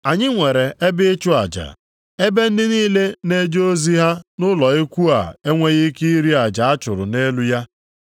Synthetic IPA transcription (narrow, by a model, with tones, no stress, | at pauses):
a˨ɲɪ˦ŋʷe˨ɾe˨e˦bɪ˦t͡ʃʊ˦a̰˨d͡ʒa̰˨ | e˦be˦n̩˦dɪ˦niː˦le˦ne˦d͡ʒo˦zi˦ɦa˦nʊ˦lɔ˨e˦kʷu˦a̰˨e˦ŋʷe˦ɣɪ˦ki˦i˦ɾi˦a˨d͡ʒa˨a˦t͡ʃʊ˨ɾʊ̰˨ne˦lu˦ja˦